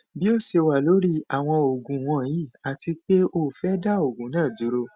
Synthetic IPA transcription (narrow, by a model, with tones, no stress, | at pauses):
bi˦o˦˨se˧wa˨lo˨˦ɾi˦a˨w̃ɔ̃˧o˨ɡũ˨w̃ɔ̃˧ji˦˨a˨ti˧k͡pe˦ʔo˦˨fɛ˦da˦o˨ɡũ˨˦nãː˦˨d͡ʒu˨˦ɾo˧